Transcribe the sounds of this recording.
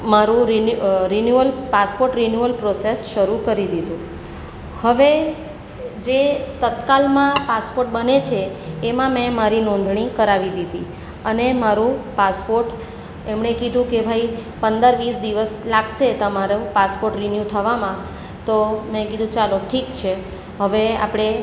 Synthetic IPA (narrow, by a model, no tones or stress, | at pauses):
maɾũɾiɾinjuəlpaspoɾʈɾinjuəlpɾosesʃəɾukəɾid̪id̪ũ | həʋe | d͡ʒet̪ət̪kalmãpaspoɾʈ̚bənet͡ʃʰeːmãmɛ̃maɾinɔ̃nd̪ʱɳ̃ikəɾaʋid̪id̪i | ənemaɾũpaspoɾʈ | emɳekid̪ʱũkebʱaipənd̪əɾʋisd̪iʋəslaɡʃet̪əmaɾopaspoɾʈɾinjut̪ʰəʋamã | t̪omẽkid̪ʱũt͡ʃaloʈʰikt͡ʃʰe | ɦəʋea̰pɽ̃e